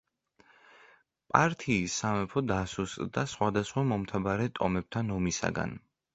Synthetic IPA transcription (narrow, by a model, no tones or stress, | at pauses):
pʼaɾt̪ʰiːsːamɛpʰɔd̪asust̪ʼd̪asχwad̪asχwamɔmt̪ʰabaɾɛt̪ʼɔmɛb̚t̪ʰanɔmisa̰ɡa̰n